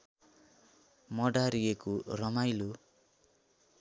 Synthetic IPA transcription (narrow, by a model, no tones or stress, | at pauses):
mʌɖaɾiekorʌmajlo